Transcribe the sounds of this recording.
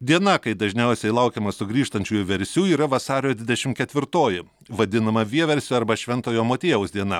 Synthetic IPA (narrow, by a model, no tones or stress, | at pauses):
d̪ʲiɛnɐkɐɪd̪ɐʒʲnʲɛˑʊsʲɛɪlˠɐʊkʲeːmɐsʊɡɾʲiːʃt̪ɐnʲt͡ʃʲuːjuʋʲɛɾʲsʲuːiːɾɐʋɐsɑːɾʲoːd̪ʲʋʲɪd̪ʲɛʃʲɪmkʲɛt̪ʲʋʲɪɾt̪oːjɪ | ʋɐd̪ʲɪnɐmɐʋʲiɛʋʲɛɾʲsʲoːɐɾbɐʃʲʋʲɛnt̪oːjoːmoːt̪ʲeːjɛʊsd̪ʲiɛnɐ